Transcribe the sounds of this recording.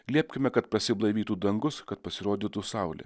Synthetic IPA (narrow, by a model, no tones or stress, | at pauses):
ɡlʲiɛpʲkʲɪmʲɛkɐt̪̚pɾɐsʲɪblˠɐɪʋʲiːt̪uːd̪ɐŋɡʊskɐt̪pɐsʲɪɾoːd̪ʲit̪uːsɑˑʊlʲɪ̰